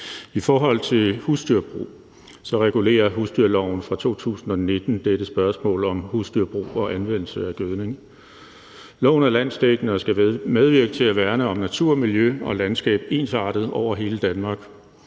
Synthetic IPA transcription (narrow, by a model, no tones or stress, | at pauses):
ifɒːɦɒ̽l̰t͡sʰe̝lhusd̥yɐb̥ʁṵː | sɒ̽ʁɛɡ̥ule̝̰ːɐɦusd̥yɐ̰lɒʊ̰n̩fʁɑ̈t͡sʰo̝̰ːt͡sʰṵːsn̩ɒ̽ne̝d̥n̩d̥eɾ̥əsb̥ɶɐsmɔ̰̽ːlɒ̽mhusd̥yɐ̰b̥ʁṵːɒ̽ʔænʋen̰l̩səæɡ̥øðˠne̝ŋ | lɔ̰̽ʊnæɐlæn̰sd̥eɡ̥nəsɡ̥æmeð̞ˠʋiɐɡ̥ət͡sʰe̝æʋæɐnəɒ̽mnæt͡sʰuɐ̰miljøɒ̽lænsɡ̥ɛ̰ːb̥e̝̰ːnsɑ̈ːd̥ð̞̩ˠɒʊ̰ɐɦe̝ːləd̥ænmɑ̈ːɡ̥